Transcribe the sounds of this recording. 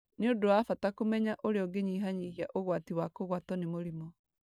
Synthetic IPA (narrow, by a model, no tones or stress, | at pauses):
neodoafatakomɛɲaʔoɾeɔɡeɲiːɦaɲiɣiaʔoɣwatiwakoɣwatɔnemoɾimɔ